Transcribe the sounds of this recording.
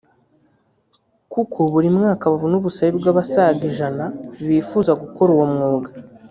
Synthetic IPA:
kukʰoβuɾimŋaːkaβaβunuβusajibɡaβasaːɡiʒanaβifuːzaɡuko̞ɾuwomŋuːɡa

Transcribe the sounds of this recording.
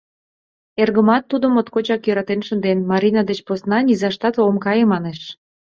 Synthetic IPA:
erɣəmɑt̪ːud̪ə̆mot̪kot͡ɕɑkjøɾɑt̪enʃənd̪enmɑɾʲinɑd̪et͡ɕposnɑnʲizɑʃt̪ɑt̪omkɑjemɑneʃ

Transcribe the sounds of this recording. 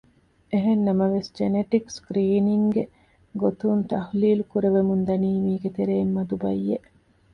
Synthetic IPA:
eɦenːɐmɐʋesd͡ʒeneʈikskɾiːniŋɡe | ɡot̪unt̪ɐhliːlukuɾeʋemund̪ɐniːmiːɡet̪eɾeːmːɐd̪ubɐ̰jːeʔ

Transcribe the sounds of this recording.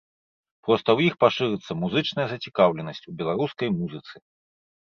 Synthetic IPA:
pɾɔst̪ɐwjixpaʂɨɾɨt̪sːɐmuzɨt͡ʂnɐjɐzɐt͡sʲikawlʲɛnɐsʲt͡sʲubʲɛlˠaɾuskɐjmuzɨt̪sɨ̥

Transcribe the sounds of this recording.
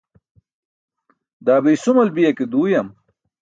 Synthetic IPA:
d̪aːbejsumɐlbijɐked̪uːjɐm

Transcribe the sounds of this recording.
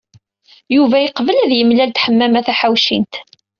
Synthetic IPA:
juvæiqvəlæðjəmlælt̪ħəmːæmæθæħawʃint̪

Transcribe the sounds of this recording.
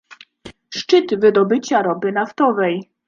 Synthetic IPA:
ʂt͡ʂɘt̪vɘd̪ɔbɘt͡ɕaɾɔbɘnaft̪ɔvɛj

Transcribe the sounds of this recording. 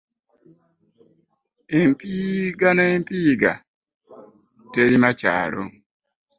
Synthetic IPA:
impiɡanaimpiɡa̰ | teɾimat͡ʃa̰ɾo̰

